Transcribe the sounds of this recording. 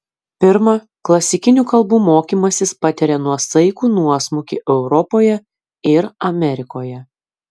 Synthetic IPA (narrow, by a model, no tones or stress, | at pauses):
pʲɪɾmɐ | klˠɐsʲɪkʲɪnʲuːkɐlˠbuːmoːkʲiːmɐsʲɪspɐt̪ʲɛɾʲɛnuɔsɐɪkuːnuɔsmʊkʲiʔɛʊɾɔpoːjɛ | ɪɾɐmʲɛɾʲɪkoːjɛ